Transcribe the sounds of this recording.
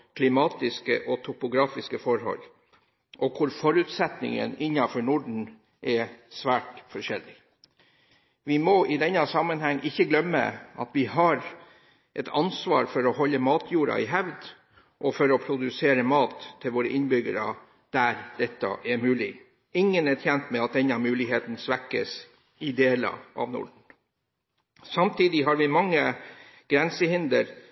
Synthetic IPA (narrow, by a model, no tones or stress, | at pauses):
kʰlɪmɑːt̪ɪskə̰ʔɔt̪ʰʊpʊɡɾɑːfɪskəfɔɾhɔ̰lː | ʔɔkʰʊɾfɔɾʉt̪sɛt̪nɪ̰ŋə̰nɪnːɑfɔɳʊɖɳ̩ | ʔɛsʋæːʈfɔʂɛlːɪ | ʋɪmɔɪd̪ɛnːɑsɑmənhɛŋːʔɪçːəɡlœmːə̰ʔɑ̰t̪ʋɪɦɑɾ | ʔɛt̪ʰɑnsʋɑːɾfɔɾɔhɔlːəmɑːt̪ʰjuːɾɑ̰ɪɦæʋd̪ | ʔɔfɔɾɔpʰɾʊd̪ʉseːɾəmɑːt̪ʰːɪlʋoːɾəʔɪnbʏɡəɾɑ̰ | d̪̥æɾd̪̥ɛt̪ːɑ̰ʔɛɾmʉːlɪ | ɪŋːənɛt̪ʰɛnt̪mɛɑt̪̚d̪ɛnɑmʉːlɪɦeːt̪n̩sʋækːə̰s | ɪd̪eːlɑ̰ʔɑ̰ʋnʊ̰ɖɳ̩ | sɑmt̪ʰiːd̪ɪɦɑɾʋɪmɑŋːə | ɡ̥ɾɛnsəhɪnd̪əɾ